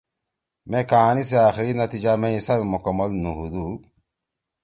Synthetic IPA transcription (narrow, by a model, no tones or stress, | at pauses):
mẽkaːnis̬eaːxiɾinɐt̪id͡ʑamẽisabemukɐmːɐlnuɦud̪uː